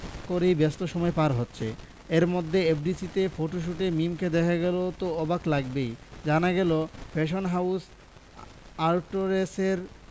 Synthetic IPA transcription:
koɾejbest̪oʃɔmɔepaɾɦotːɕʰḛ | eɾmod̪ʱːeepɖisit̪efoʈoʃ̬uʈemimked̪ɛkʰaɡɛlot̪oɔbaklaɡbejd͡ʑanaɡɛlofʰeʃ̬onɦaws | aɾʈoɾeseɾ

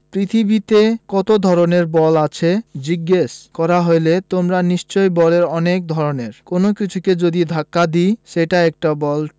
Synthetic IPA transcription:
pɾit̪ʰibit̪ekɔt̪od̪ʱɔɾoneɾbɔlat͡ɕʰed͡ʑiɡːeʃkɔɾaɦojlet̪omɾaniʃt͡ɕojbɔleɾɔnek̚d̪ʱɔɾoneɾkonokit͡ɕʰuked͡ʑod̪id̪ʱakːad̪iʃeʈaɛk̚ʈabɔl

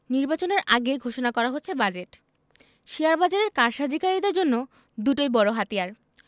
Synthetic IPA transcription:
niɾbat͡ɕoneɾʔaɡeɡʱoʃonakɔɾaɦotːɕʰebad͡ʑeʈ | ʃiaɾbad͡ʑaɾeɾkaɾʃad͡ʑ̪ʱikaɾid̪eɾd͡ʑonːo | d̪uʈojbɔɾoɦat̪ijaɾ

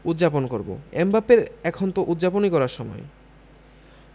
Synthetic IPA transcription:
ud̪d͡ʑaponkoɾbo̰embapeɾɛkʰont̪oʔud̪d͡ʑaponikɔɾaɾʃɔmɔ̰e

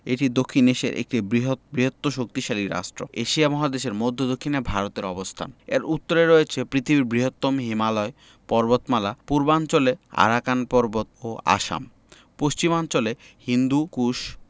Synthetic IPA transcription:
eʈid̪okʰːineʃḛɾʔḛk̚ʈibɾiɦobɾiɦot̪ːoʃok̚t̪iʃaliɾa̰ʃʈɾo̰eʃiamɔɦad̪eʃeɾmod̪ʱːod̪okʰːinebʱaɾot̪eɾɔbost̪ʰa̰nḛɾut̪ːoɾeɾoet͡ɕʰepɾit̪ʰibiɾbɾiɦot̪ːomɦimalɔe | pɔɾbot̪malapuɾbant͡ɕolea̰ɾakanpɔɾbot̪̚oa̰ʃa̰m | poʃt͡ɕimant͡ɕole | hind̪ukuʃ

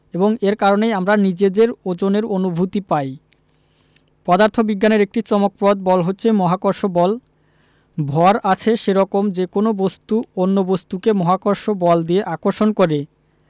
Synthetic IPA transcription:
eboŋeɾkaɾonejamɾanid͡ʑed̪eɾod͡ʑoneɾonubʱut̪ipaj | pɔd̪aɾt̪ʰobiɡːaneɾek̚ʈit͡ɕɔmok̚pɾɔd̪̚bɔlɦotːɕʰemɔɦakoɾʃobɔl | bʱɔɾat͡ɕʰeʃeɾɔkomd͡ʑekonobost̪uonːobost̪ukemɔɦakoɾʃobɔld̪ieʔakoɾʃonkoɾe

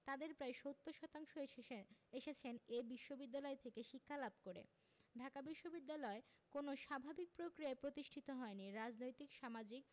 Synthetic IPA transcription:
t̪ad̪eɾpɾaeʃot̪ʰːoʃɔt̪aŋʃoeeʃet͡ɕʰenebiʃːobid̪ːalɔet̪ʰekeʃikʰːalabkoɾḛ | ɖʱakabiʃːobid̪ːalɔe | konoʃabʱabik̚pɾokɾiaepɾot̪iʃʈʰit̪oɦɔeniɾad͡ʑnojt̪ikʃamad͡ʑik̚

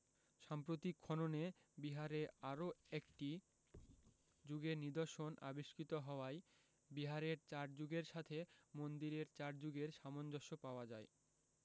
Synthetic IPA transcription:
ʃampɾot̪ikʰːɔnone | biɦaɾeaɾoekʈi | d͡ʑuɡeɾnid̪oɾʃona̰biʃkit̪oɦɔoaj | biɦaɾeɾt͡ɕaɾd͡ʑuɡeɾʃat̪ʰemond̪iɾeɾt͡ɕaɾd͡ʑuɡeɾʃamond͡ʑoʃːopaoad͡ʑae

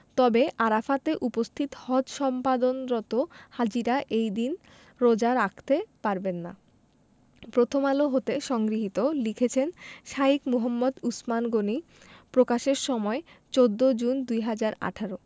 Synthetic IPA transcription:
t̪ɔbeʔaɾafat̪eʔupost̪ʰit̪hɔd̪ʃɔmpad̪onɾɔt̪ohad͡ʑiɾaʔejd̪in | ɾod͡ʑaɾakʰt̪epaɾbenːa̰ | pɾot̪ʰomaloɦot̪eʃɔŋɡɾiɦit̪olikʰet͡ɕʰenʃaikmuɦomːod̪usmanɡoni | pɾokaʃeɾʃɔmɔet͡ɕod̪ːod͡ʑund̪ujɦad͡ʑaɾa̰ʈʰaɾo

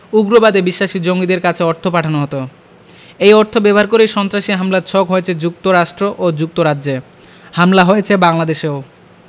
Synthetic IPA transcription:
uɡɾobad̪ebiʃːaʃid͡ʑoŋɡid̪eɾkat͡ɕʰeɔɾt̪ʰopaʈʰanoɦot̪o | ejɔɾt̪ʰobɛbɦaɾkoɾejʃɔnt̪ɾaʃiɦamlaɾt͡ɕʰɔkɦojet͡ɕʰed͡ʑuk̚t̪oɾaʃʈɾoʔod͡ʑuk̚t̪oɾadːd͡ʑe | hamlaɦojet͡ɕʰebaŋlad̪eʃeo

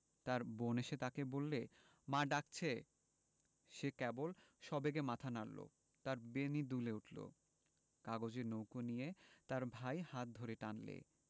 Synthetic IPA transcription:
t̪aɾboneʃet̪akebolːe | maɖak̚t͡ɕʰe | ʃekɛbolʃɔbeɡemat̪ʰanallo̰ | t̪aɾbenid̪uleuʈlo̰ | kaɡod͡ʑeɾnowkonijet̪aɾbʱajhat̪̚d̪ʱoɾeʈanlḛ

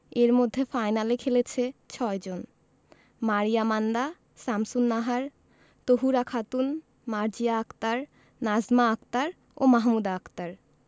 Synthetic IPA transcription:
eɾmod̪ʱːefajnalekʰelet͡ɕʰet͡ɕʰɔed͡ʑon | maɾijamand̪a | samsunːaɦaɾ | t̪oɦuɾakʰat̪un | maɾd͡ʑijaakt̪aɾ | nad͡ʑmaakt̪aɾ | omaɦmud̪aakt̪aɾ

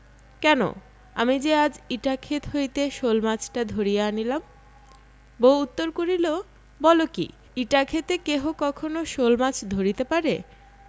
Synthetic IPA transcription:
kɛno̰ | a̰mid͡ʑead͡ʑiʈakʰet̪ɦojt̪eʃolmat͡ɕʈad̪ʱoɾijeanilam | bout̪ːoɾkoɾilo | bɔlokḭ | iʈakʰet̪ekeɦokɔkʰonoʃolmat͡ɕd̪ʱoɾit̪epaɾe

